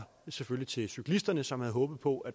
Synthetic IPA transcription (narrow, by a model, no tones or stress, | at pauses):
seføllit͡sʰe̝lsykʰlisd̥ɐnəsɒ̽mhæð̞̩ˠɦɔ̽ːb̥ð̩ˠpʰɒ̽æd̥